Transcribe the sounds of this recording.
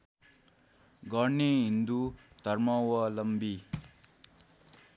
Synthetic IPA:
ɡʌnːeɦind̪ut̪ʌɾmʌwʌlʌmbi

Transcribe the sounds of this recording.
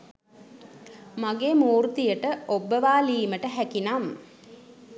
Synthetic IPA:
maɡeːmuːrt̪ijəʈəobːəʋaːliːməʈəɦækinam

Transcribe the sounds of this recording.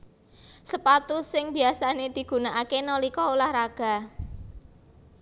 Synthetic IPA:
səpat̪usɪŋb̥i̤asaned̪̥i̤ɡ̥ṳnaʔakenolikɔulahɾaɡ̥a̤

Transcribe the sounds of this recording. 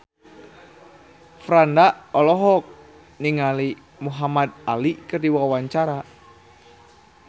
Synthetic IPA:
fɾandaɔlɔɦɔk̚ | niŋali | muɦamad̪̚alikərdiwawaɲt͡ʃaɾa

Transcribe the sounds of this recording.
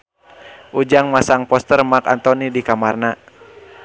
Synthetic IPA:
ʔud͡ʒaŋmasaŋpɔst̪ərmaka̰nt̪ɔnidikamarna

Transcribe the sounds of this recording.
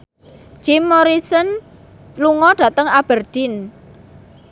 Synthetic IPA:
d͡ʒ̥ɪmːoɾisən | luŋɔɖ̥ä̤t̪əŋab̥ərd̪̥ɪn

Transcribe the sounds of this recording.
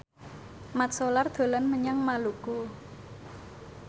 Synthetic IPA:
mat̪̚solard̪̥o̤lanməɲaŋmaluku

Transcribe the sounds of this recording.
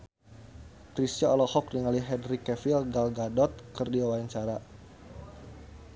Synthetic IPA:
kɾist̪aɔlɔhɔk̚niŋaliɦɛdɾikɛfilɡalɡadɔt̪̚kərdiwawaaɲt͡ʃaɾa

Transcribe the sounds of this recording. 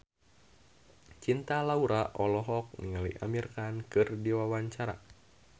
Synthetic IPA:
t͡ʃint̪alauɾaʔɔlɔɦɔk̚niŋaliʔa̰mirkankɨrdiwawaɲt͡ʃaɾa̰

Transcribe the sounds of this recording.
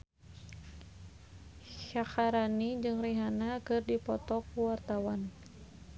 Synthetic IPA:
ʃaxaɾanid͡ʒɨŋriɦanakɨrdipɔt̪ɔk̚uwart̪awan

